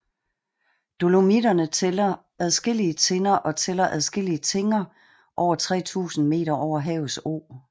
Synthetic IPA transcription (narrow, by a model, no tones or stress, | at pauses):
d̥o̝lo̝midɐnət͡sʰelɐ | æð̞ˠsɡ̥el̰iət͡sʰe̝nɐʔɒ̽t͡sʰelɐʔæðˠsɡ̥e̝l̰iət͡sʰe̝ŋɐ | ʔɒʊ̰ɐt͡sʰʁɛ̰ːt͡sʰṵːsn̩me̝̰ːɾ̥ɐʔɒʊ̰ɐɦɛːʊso̰ː